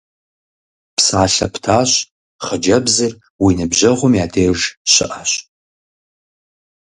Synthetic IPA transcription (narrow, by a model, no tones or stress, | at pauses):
psaːɬɐ̰pʰtʰaːɕ | χəd͡ʒɐbzɨr | winɨbʑɐʁʷʊmjaːdʰeːʒɕɪ̰ʔaɕ